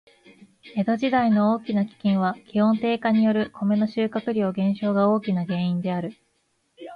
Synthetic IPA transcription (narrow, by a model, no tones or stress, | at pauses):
e̞d̪o̞ʑid̪aino̞oːkʲinakʲi̥kʲẽɰ̃β̞akʲihõ̞nt̪e̞ːkaɲ̟ijo̞ɾɯ̟kʰo̞me̞no̞ɕɨːkakɯ̟ɾʲo̞ːɡẽ̞ɰ̃ɕo̞ːɡao̞ːkʲinaɡẽ̞ɰ̃ĩnd̪e̞aɾɯ̟